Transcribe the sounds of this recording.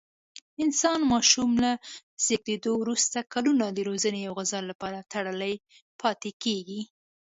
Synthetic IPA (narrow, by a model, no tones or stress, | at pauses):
ɪnsɑnmɑʃumlaz̥eɡ̚d̪ed̪owɾust̪akalunad̪əɾozənejawɣazɑlapɑɾat̪aɽəlaj | pʰɑt̪ekeɡi